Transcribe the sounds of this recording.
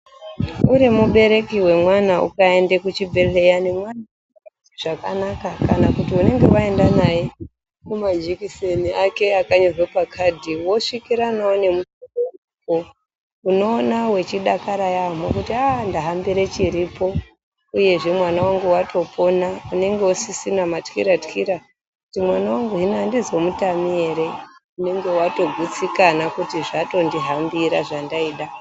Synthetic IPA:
uɾimuɓe̞ɾe̞kiwe̞mwanaṵkae̞ndekut͡ʃibʱe̞lejanemwana | ʐ̥akanakakanakutiune̞ŋɡe̞ʋae̞ndanaje | kumad͡ʒikiseniake̞akaɲorwepakʰadʱiwo̞ʂikiɾanaone̞mutokou | ko | uno̞ːnawe̞t͡ʃiɗakaɾajamwakutiandaɦambiɾet͡ʃiɾipo̞ | uje̞ʐe̞mwanawaŋɡuwatʰo̞pʰo̞naune̞ŋɡe̞usisinamatxḭɾatxiɾa | kkutimwanawaŋɡuɦinandizwomutamie̞ɾe̞une̞ŋɡe̞wato̞ɡʱut͡sikanakutiʐato̞ndiɦambiɾaʐandaiɗa

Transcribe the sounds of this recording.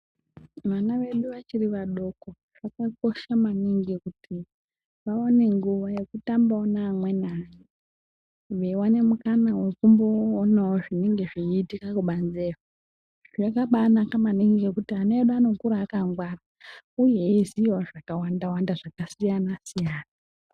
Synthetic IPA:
ʋanaʋe̞ɗuʋat͡ʃiriʋaɗo̞ko̞ | ʐ̥akako̞ʃamaniŋɡikutʰi | ʋao̞ne̞ŋɡuʋaje̞kutambaonaːmwe̞naje | ʋewane̞mukanawe̞kumboːnawoʐine̞ŋɡe̞ʐiːtikakuɓanzeka | ʐakaɓanakamaniŋɡiɡekutianeeɗuano̞kuɾaːkaŋɡwara | ujeiziwaʐakawandawandaʐ̥akasijanasijaːna

